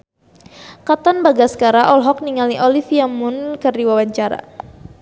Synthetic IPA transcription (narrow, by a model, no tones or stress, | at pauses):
kat̪anbaɡasə̥kaɾaʔɔlɦɔk̚niŋaliʔɔlifiamʊnkərdiwawaɲt͡ʃaɾa̰